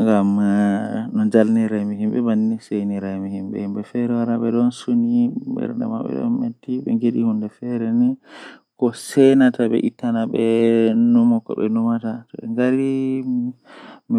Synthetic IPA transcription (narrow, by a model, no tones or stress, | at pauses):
ŋɡam | nɔd͡ʒalniɾajmiɦimɓɛbanːisejniɾajmihimɓɛ̰himɓɛfɛɾɛwaɾaɓɛɗɔnsunimbɛ̰ɾndɛ̰ma̰ɓɛ̰ɗɔ̰nmetːiɓɛ̰ŋɡeɗihundɛfɛɾɛnɛkɔsɛnataɓɛ̰ʔitːanaɓɛnumɔkɔ̰ɓɛnumatatɔɛ̰ŋɡaɾi | mi